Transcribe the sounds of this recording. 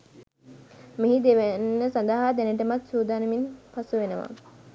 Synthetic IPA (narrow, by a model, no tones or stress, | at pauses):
miɦid̪eʋenːəsand̪aɦad̪æneʈəmat̪suːd̪aːnəminpasuʋenəʋa̰